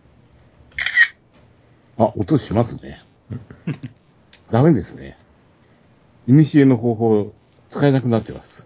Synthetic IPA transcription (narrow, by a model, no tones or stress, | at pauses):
aʔot̪oɕimasɨne̞̰ | d̪ame̞d̪e̞sɨne̞̰ | iɲ̟ʲiɕieno̞ɦo̞ːɦoː | t͡sɨ̥kae̞nakɯ̟nat̪ːemasɨ̥